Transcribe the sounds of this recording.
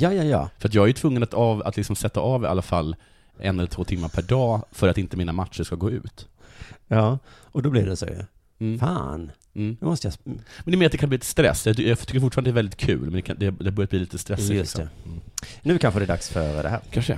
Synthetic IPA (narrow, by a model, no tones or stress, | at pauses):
jɑːjɑjɑ̰ːfœɾat̪̬jɑːɡæjʏt̪ʰvɵŋːənat̪ɑːva̰t̪lɪksɔmsɛt̪ːaʔɑːva̰lːafalː | ʔɛ̰nːɛləɾt̪ʰvoːt̪ʰɪmːaɾpʰæɖɑːfœɾat̪ɪnt̪əmiːnamat̪ʂəʂkaɡoːʉ̟̰ːt̪jɑː | ɔd̪ɔblɪɖɛsɔ̰j̰ | fa̰ːn̩ | mɔst̪əjamɛnɛmeːɾt̪d̪ɛkanmb̪liːt̪st̪ɾɛ̰sːjɑt̪jɑt̪ʏkːəfʊʈːfɑɾnd̪dɛɾvɛld̪ɪt̪kʰʉ̟̰ːlmɛnd̪ɛkad̪ɛd̪ɛhaɾbœɾjat̪bliːliːt̪əst̪ɾɛsːɪlɪsɛ | nʉkʰanɧəd̪ɛd̪aksfœɾd̪ɛ̰hæ̰ːɾkʰanʂə̰